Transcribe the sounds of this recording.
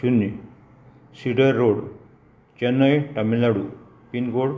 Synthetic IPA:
unːi | siɖəɾːoɽ | t͡ɕɛnːəjʈamilaɽu | pinɡoɽ

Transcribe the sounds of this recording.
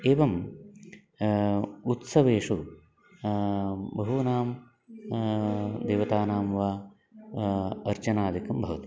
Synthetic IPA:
eːʋɐm | ut̪sɐʋeːʂu | bɐɦunaːm | d̪eːʋɐt̪aːnaːmʋaː | ɐɾt͡ʃɐnaːd̪ʱikɐmbʱɐʋɐt̪i̥

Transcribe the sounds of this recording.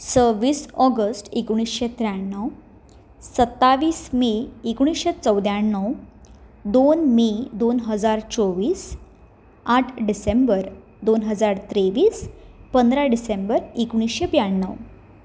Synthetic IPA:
səʋiːsɔɡəsʈikɽ̃isɕet̪ɾjaɳːəw | sət̪ːaʋiːsmeikɽ̃isɕet͡səwd̪jaɳːəw | d̪onmed̪onɦəd͡zaɾt͡sɔʋiːs | aʈʰɖisembəɾ | d̪onɦəd͡zaɾt̪ɾeʋiːspənd̪ɾaɖisembəɾikɽ̃isɕebjaɳːəw

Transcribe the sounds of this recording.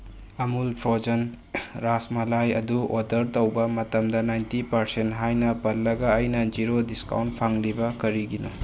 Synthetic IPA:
ɐmulpʰɾod͡ʒɐn | ɾasmɐlajɐ̰duodɐɾtɐwbɐmɐtɐmdɐnajntipɐɾsentɦajnɐpɐlːɐɡɐːjnɐd͡ʒiɾodiska̰wnt̚pʰaŋlibɐkɐɾiɡino

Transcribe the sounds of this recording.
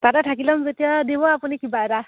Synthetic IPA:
t̪aɾaʈʰakilɔmzet̪ijad̪ebɔapunikibaɾa

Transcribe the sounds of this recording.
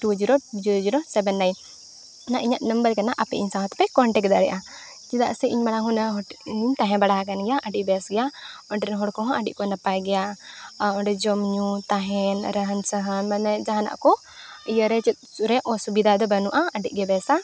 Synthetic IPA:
ʈud͡ʒiɾod͡ʒiɾod͡ʒiɾosɛbɛnːajn | naʔiɲat̪̚nəmbəɾkanaʔapɛ̰ʔiɲsãɦɔ̃t̪pɛkɔɳʈɛkd̪aɾɛʔa | d͡ʒid̪a̰ʔsɛiɲbaɽaɦunəɦiɲt̪ãɦɛ̃baɽaɦak̬anɡɛjaʔəɖiʔbɛsɡɛjaɔɳʈɛnɦɔɽkɔɦɔ̃ʔaɖḭʔkɔnapajɡɛja | ɔɖɛd͡ʒɔmɲut̪aɦɛnɾəɦənsəɦənmanɛd͡ʒãɦana̰ʔkɔ | ijəɾɛt͡ʃɛt̪̚uɾɛʔɔsubid̪ad̪ɔbanuʔaəɖḭʔ̚ɡɛbɛsa

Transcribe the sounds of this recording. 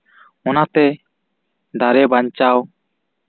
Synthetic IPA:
ɔnat̪ɛ | d̪aɾɛbaɲt͡ʃaw

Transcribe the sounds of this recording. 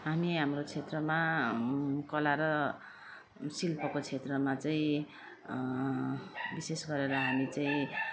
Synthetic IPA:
ɦamiɦamrot͡sʰet̪rʌma | kʌlaɾʌ | silpʌkot͡sʰet̪rʌmat͡saĩ | bisesɡʌɾeɾʌɦamit͡saĩ

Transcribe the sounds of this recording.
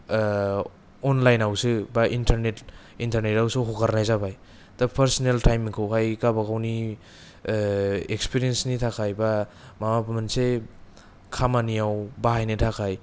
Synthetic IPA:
ɔnlajnawsɯbaʔintʰaɾnet | intaɾnetawsuɦokaɾnajzabaj | tapʰeɾsineltʰajmiŋkʰɯwkʰajkabakawni | ekspiɾiensnitʰakʰajba | mamapʰamanse | kʰamanijawbaɦajnɯtʰakʰaj

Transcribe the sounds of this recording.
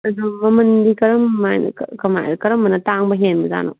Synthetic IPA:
ɐzomɐmɐndikɐɾɐmːajn̰kkɐma̰jkɐɾɐmːɐnɐtaŋbɐɦenbɐza̰no̰

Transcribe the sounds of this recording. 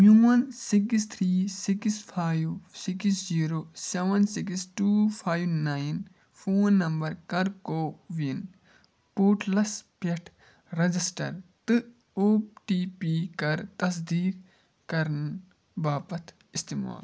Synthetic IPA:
muɐnsikst̪ʰɾiːsikspʰaːjʋsiksziːɾoːseʋɐnsikisʈuːpʰaːjʋnaːjn | fʰoːnːɐmbɐɾkɐɾkoːʋin | poːʈlɐspeʈʰ | ɾɐd͡ʒisʈɐ̰ɾt̪ɨ | oːʈiːpikɐɾt̪ɐs̬d̪iːk | kɐɾən | baːpɐt̪ʰ | ist̪ima̰ːl

